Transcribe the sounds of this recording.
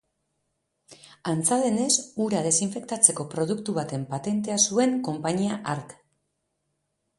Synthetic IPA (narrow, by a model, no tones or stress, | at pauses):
ant͡sale̞ne̞suɾað̞e̞siɱfe̞kt̪at͡se̞ko̞pɾo̞ð̞ukt̪uβat̪e̞mpat̪e̞nt̪e̞asue̞ŋko̞mpaɲiaʔaɾk